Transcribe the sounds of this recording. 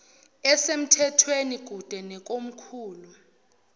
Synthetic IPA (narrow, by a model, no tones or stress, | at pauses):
ɛsem̩tʰɛtʰweniɡ̥ʱud̥ʱɛnɛk̬ʼom̩kʰuːlu